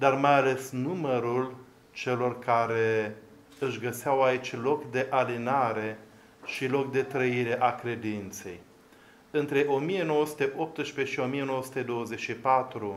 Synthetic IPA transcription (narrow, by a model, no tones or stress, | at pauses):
d̪armajale̞snuməɾul | t͡ʃe̞lo̞rkaɾe̞ | ɨʃɡəseawait͡ʃʲlo̞kd̪e̞ʔalinaɾe̞ | ʃilo̞k̚d̪e̞t̪ɾəiɾe̞ʔakɾe̞d̪int̪se̞̰j | ɨnt̪ɾe̞ʔo̞mije̞no̞wəsu̥t̪eʔo̞p̚t̪ɨʃpe̞ʃio̞mije̞nowəsut̪ed̪o̞wəze̞ʃipat̪ɾu